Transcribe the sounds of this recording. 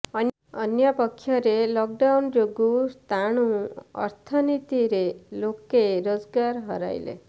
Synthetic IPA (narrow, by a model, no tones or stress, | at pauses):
ən | ənjapəkʰːjɔɾelɔk̚ɖawnd͡ʒoɡust̪aɽ̃ũʌ̰ɾt̪ʰənit̪iɾelokeɾod͡ʒɡaɾɦəɾa̰jlḛ